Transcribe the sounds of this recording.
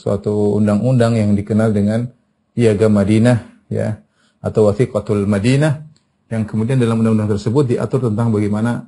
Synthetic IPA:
sua̰t̪ṵːndaŋundaŋjaŋdikənaldəŋan | iaɡamadinah | ja̰ | at̪awaθikat̪ulmadinah | jaŋkəmudiandalamundaŋundaŋt̪ərsəbʊt̪̚diʔa̰t̪ʊrt̪ənt̪aŋbaɡajmana

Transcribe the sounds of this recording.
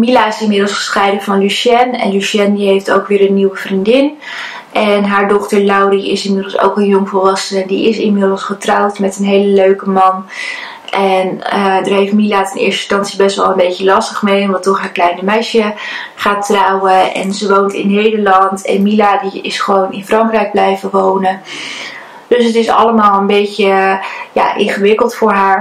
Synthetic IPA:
milaɪsɪmɪdl̩ˠsχə̥sχɛjdəvɑnlyʃɛnɛ̰nlyʃɛndiɦejfto̰wkʋɪːɾənːiwəvrindɪn | ʔɛnɦaːɹdɔχtəɹlawriɪsɪnmɪdəlˠso̰wkənjʊŋvɔlˠʋɑsəndiɪsɪnmɪdəlˠsχətrawtmɛtənɦejləløɥkəmɑn | ʔɛnədəɹɦejftmilatɛnɪ̰ːɹstəstɑnsibɛstʋɛlˠənmbejcəlɑstəχmejnʋɑntɔχɦaːklɛjnəmɛjʃjəχaːtrɑwəɛ̰nzəʋowntɪnɦejdəlɑntɛ̰nmiladiɪ̰sχəʋownɪnfrɑŋkrɛjɡ̚blɛjvəʋownə | d̥ɵsətɪsɑ̰ləmaːlˠənbejcəja̰ːʔɪnχəʋɪkəlˠtfʊːɹɦaːɹ

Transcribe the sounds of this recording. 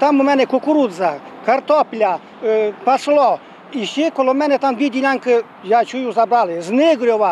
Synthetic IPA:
t̪amumɛnɛkokuɾuza | kaɾt̪ɔplʲa | paslˠɔ | iʃekolomɛnet̪amʋid̪ʲilʲaŋkə | jat͡ʃujuzabɾalezneɡɾʲjoʋa

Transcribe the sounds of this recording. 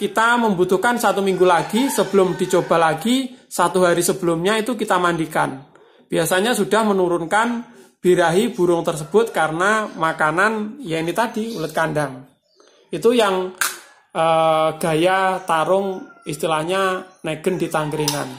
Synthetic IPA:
kit̪aməmbut̪ʊhkansat̪umiŋɡulaɡisəbəlʊmdi̤t͡ʃob̥a̤laɡisat̪uɦaɾisəbəlʊmɲait̪ukit̪amandikan | b̥iasaɲasuda̤hmənuɾʊnkanb̥iɾaɦib̥ṳɾʊŋt̪ərs̬əb̥ʊt̪̚kaɾənamakananjainit̪adiulət̪̚kandaŋ | it̪ujaŋ | ʔəɡ̥a̤jat̪aɾʊŋist̪ilahɲaneɡ̥əndit̪aŋɡəɾina̰n

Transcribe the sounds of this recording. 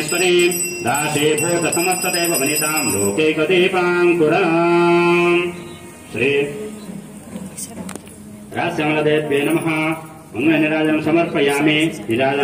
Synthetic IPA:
spɐɾi | d̪aːseːbʱoːsɐsɐmɐɾt̪ʰːɐt̪eːbɐbɐnit̪aːmɾoːkejkɐd̪ipaːŋk̪uɾɐnɐ | m | sɾi | ɾaːsjɐŋlɐd̪eːt̪̚beːnɐmɐɦɐ | ɐŋleniɾaːd͡ʒɐɐmsɐmɐɾpʰɐjaːminiɾaːɐ

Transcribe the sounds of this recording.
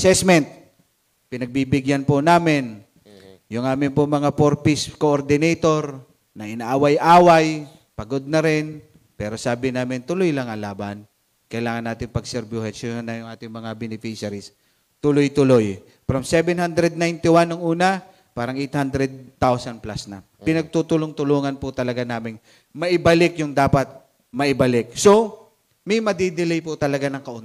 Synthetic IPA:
ɐsɛsmɛnt̪̚ | pɪnɐɡ̚bibɪɡjanpʊnaːmɪn | jʊŋʔaːmɪnpʊmɐŋapoɾpɪskoʔoɾd̪ɪnɛjt̪oɾ | nɐʔɪnaːʔawajʔaːwaj | pɐɡod̪̚nɐɾɪn | pɛːɾo̞saːbɪnaːmɪnt̪ʊlojlɐŋɐŋlaːban | kɐjlaːŋɐnːaːt̪ɪŋpɐɡsɛɾbohɛsonːɐjʊŋʔaːt̪ɪŋmɐŋabɛnɪfiʃaɾis | t̪ʊlojt̪ʊloj | fɾɐmsɛbɛnhand̪ɾɛd̪̚najnt̪ɪwanːoŋʔuːnɐ | paːɾɐŋʔejt̪̚hand̪ɾɛd̪̚t̪awsɐnplasnɐ̰ | pɪnɐɡ̚t̪ut̪ʊloŋt̪ʊluːŋɐnpʊt̪ɐlɐɡanaːmɪŋ | mɐʔɪbɐlɪkjʊŋd̪aːpɐt̪̚ | mɐʔɪbɐlɪk̚so | mɐjmɐd̪id̪ɪlɛjpʊt̪ɐlɐɡanɐŋkɐʔon

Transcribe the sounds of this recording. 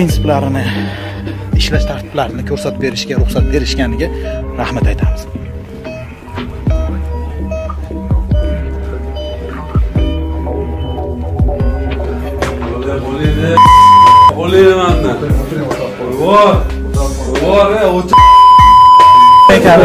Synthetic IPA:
ɾinsʰɪplaɾɪnɪ | ɪʃlaʃt̪ʰaɾt̪ʰɪ̥b̥laɾɪnɪkʲʰɵɾsat̪be̞ɾɪʃɡʲaɾʊχsat̪̚be̞ɾɪʃkʲanɪɡʲaɾahmat̪ʰajt̪ʰamɪz̥ | lbolid̪ | boliɪmanːa | ɾbɒɾ | t̪a | ɾbɒɾeot͡ʃ | ekʲʰa

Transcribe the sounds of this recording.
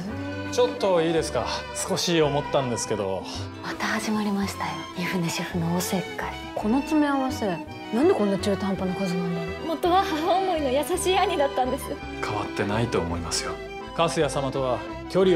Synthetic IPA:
t͡ɕo̞t̪ːo̞iːd̪e̞sɨ̥kasɨ̥ko̞ɕiːo̞mo̞t̪ːãnd̪e̞sɨ̥ke̞d̪o̞̰ | mat̪ahaʑimaɾʲimaɕi̥t̪ajoiɸɯ̟neɕiɸɯ̟noːsekːai | kʰo̞no̞t͡sɨme̞aβase̞ | nãnd̪ekõ̞nːat͡ɕɨːt̪ãmpanokozinãnd̪aohot̪ːoβahaɾamoinojasaɕiːaɲ̟id̪at̪ːãnd̪e̞sɨo | kʰaβat̪ːe̞nait̪o̞ːmo̞imasɨjo̰ | kasɨjasamat̪o̞βa | kʲo̞ɾʲi

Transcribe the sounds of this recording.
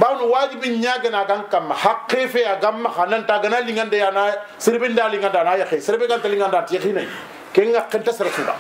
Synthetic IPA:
banuwad͡ʒibiɲaɡɐnaɡaŋkamːahakːefeaɡamːaxanantaɡanaliŋɡandajana | siɾbindaːliŋɡandaːnaːjaxesiɾbeɡantaliŋɡandantixinaj̰ | keŋɡakːentasɪɾasuda̰

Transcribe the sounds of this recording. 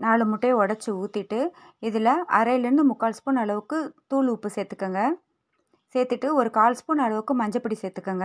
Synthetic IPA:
naːɭɯmʊʈːeːɔɽɐt͡ʃːɯuːt̪ːɪʈːɯ | ɪðɪlɐʔɐɾɐjɪlɪɾɯnd̪ɯmʊkːaːlspoːnɐɭɐʋɯkːɯt̪uːɭuːpːɯseːt̪ːɯ̥kːɐːŋɡɐ | seːt̪ːɯʈːɯɔɾɯkaːlspoːnɐɭɐʋɯkːɯmɐɲd͡ʒɐpːɐɽiseːt̪ːɯkːɐŋɡɐ

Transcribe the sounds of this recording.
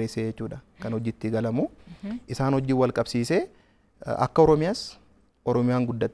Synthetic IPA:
eseːd͡ʒɛt͡ʃːuːᶑɐkɐnhɔd͡ʒːɪt̪ːɪɡɐlɐmuʔɪsaːnhɔd͡ʒːɪwɐlkʼɐbsiːse | ɐ̰kːɐɔɾɔmɪjaːs | ʔɔɾɔmɪjaːŋɡʊd̪ːɐt̪ː

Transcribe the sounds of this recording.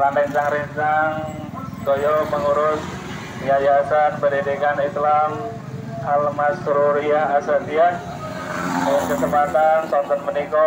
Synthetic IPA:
lanɛnt͡ʃaŋɾint͡ʃaŋ | kɔjɔpəŋuɾʊs | jajasat̪̚bədidikanit̪lam | almasɾuɾiahasat̪ian | mɔnkəsəbat̪ansɔnt̪ɔnmənikɔ

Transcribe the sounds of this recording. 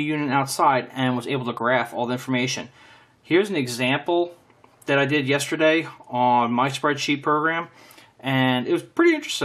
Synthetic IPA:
jʉ̃nɨɾaʊtsaɪɾɨ̃nwʌzeɪbl̩ˠtʰəɡɹæfɔlˠðiɪ̃ɱfə˞meɪʃɨ̰̃n | hɪɹzn̩ɨɡzæ̃mpl̩ˠ | ðɨɾaɪdɪdjɛstə˞deɪə̃nmaɪspɹɛd̥ʃipʰɹ̥oʊɡɹæ̃m | ɨ̃nɨt̚wʌz̥pʰɹ̥ɪɾiɪ̃nt͡ʃɹ̥ɨ̥stɪ̃

